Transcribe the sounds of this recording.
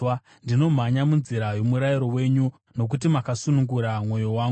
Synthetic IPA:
ndino̞m̤aɲamunziɾajo̞muɾaiɾo̞we̞ːɲu | no̞k̬ut̬imakasunuŋɡuɾamwo̞jo̞waːŋɡ

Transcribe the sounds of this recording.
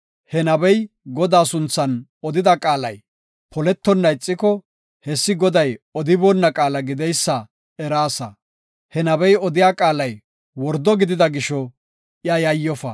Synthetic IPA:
hɛnɐbɛj | ɡɔd̪aːsʊnt͡sːɐnɔd̪ɪd̪ɐkʼaːlɐj | pʰɔlɛt̪ːɔnːɐɪt͡sʼːɪkɔ | hɛsːɪɡɔd̪ɐjɔd̪ɪbɔnːɐkʼaːlɐɡɪd̪ɛjsːɐ | ɛɾaːsɐ | hɛnɐbɛjɔd̪ɪjaːkʼaːlɐj | wɔɾd̪ɔɡɪd̪ɪd̪ɐɡɪʃɔ | ɪɐjɐjːɔfɐ̰

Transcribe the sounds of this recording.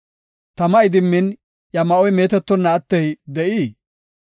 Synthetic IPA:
t̪ɐmɐɪd̪ɪmːɪn | jɐmɐʔɔjme̞ːt̪ɛt̪ːɔnːɐːt̪ːɛjd̪ɛʔiː

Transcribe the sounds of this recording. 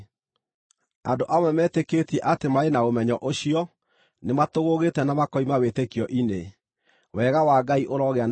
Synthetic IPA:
a̰ndoʔamwɛmɛːtekeːtiɛʔatemaenaomɛɲɔʔoɕiɔ | nematoɣoɣetɛnamakɔimawetekijɔʔine | wɛɣawaɡaiʔoɾɔɣean

